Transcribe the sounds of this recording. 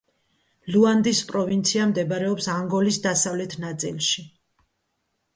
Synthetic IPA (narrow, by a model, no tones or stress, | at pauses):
luand̪ispʼɾɔvint̪sʰiamd̪ɛbaɾɛɔpsaŋɡɔlisd̪asavlɛt̪ʰnat̪sʼḭlˠʃi